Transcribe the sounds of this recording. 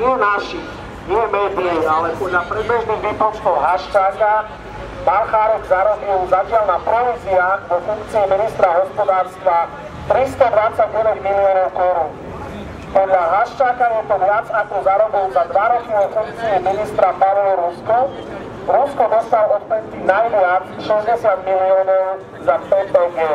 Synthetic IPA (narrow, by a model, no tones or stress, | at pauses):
nɪɛnaʃi | ɲɛbɛːd̪iialɛpɔd̪lapɾibɛʒniɣʋipɔnskɔɦɔɦaʃt͡ʃaːka | balxaːɾɛɡzaɾɔbilzacɪalnapɾɔʋit͡siaɔfuŋkt͡siiminist̪ɾaɦɔspɔd̪aːɾst̪ʋa | t̪ɾist̪ɔd̪ʋat͡saɟsɛd̪ɛmːilɪɔnɔʊʔɛɾuːn | pɔd̪laɦaʃt͡ʃakajɛt̪ɔʋɪat͡sakɔzaɾɔbɔʊzad̪ʋaɾɔkiɔfuŋk̚t͡siiminist̪ɾapaʋlɔɾuskɔ | ɾuskɔd̪ɔst̪alɔɔt̪pɛst̪inajʋɪat͡sʃɛzɟɛsjad̪miliɔːnɔʊ | zapɛtɔɡɛ